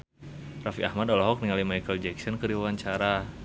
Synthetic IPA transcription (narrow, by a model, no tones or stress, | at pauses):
rafiahmadɔlɔɦɔk̚niŋalimajkəld͡ʒɛksɔnkəɾiwawaɲt͡ʃaɾa